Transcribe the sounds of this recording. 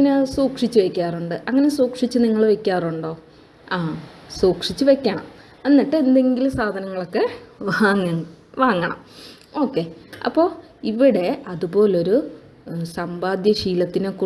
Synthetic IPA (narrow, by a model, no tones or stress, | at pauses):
ŋɐnesuːkʂit͡ɕːuʋekʲːaːruɳɖɨʔɐŋːɐne̞suːkʂit͡ɕːɨniŋːɐɭʋe̞kʲːaːruɳɖo̞ː | asuːkʂit͡ɕːɨʋe̞kʲːɐɳɐ̰m | e̞nːiʈːɨend̪e̞ŋɡilsaːd̪ʱɐnɐŋːɐɭo̞kːe̞ʋaːŋːɐʋaːŋːɐɳɐ̰m | o̞ːkːe̞ɐ̰pːo̞ː | iʋiɽe̞ɐðupo̞ːleo̞ɾu | sɐmbaːd̪jɐɕiːlɐt̪ːineku